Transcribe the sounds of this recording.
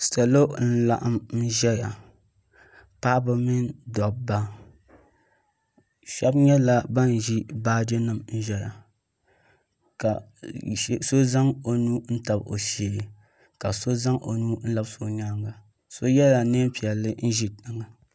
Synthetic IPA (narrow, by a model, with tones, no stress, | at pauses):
sɛ˨lo˦n̩˦la̰˨ʔa˦mn˦ʒɛ˦ja˨ | pa˦bɨ˨mi˦ndɔ˨ba˦ | ʃɛ˦bɲɛ˦la˦ba˦n˨ʒi˦baː˦de˦nɨ˨mn̩˦ʒɛ˦ja˨ | ka˨˦ | so˦za˦ŋo˨nuː˦n̩˦ta˨bo̰˨ʃe˨˦i˨ | ka˨so˦za˦ŋʔo̰˨nuː˦n̩˦la˦bso˨ɲa˦ŋɡa˨ | so˦jɛ˦ja˨ne˦m˦pi˨ɛ˨lːɨ˦n̩˦ʒi˦tɨ˨ŋa˨